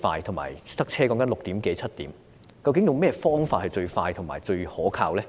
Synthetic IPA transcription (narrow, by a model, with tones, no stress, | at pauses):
faː˧jt̪ʰʊ˨˩ŋma̰ː˨˩jt̪ɐ˥k̚t͡sʰɛː˥kɔː˨˥ŋkɐ˨˥nlʊ˨k̚t̪iː˨˥mke˨˥jt͡sʰɐ˥t̚t̪iː˨˥m | kɐ˧wkɪ˨˥ŋjʊ˨ŋmɛː˥fɔː˥ŋfaː˧t̚hɐ˨˧jt͡ʃɵ˧ɥfaː˧jt̪ʰʊ˨˩ŋma̰ː˨˩jt͡ʃɵ˧ɥhɔː˨˥kʰa̰ː˧wlɛː˥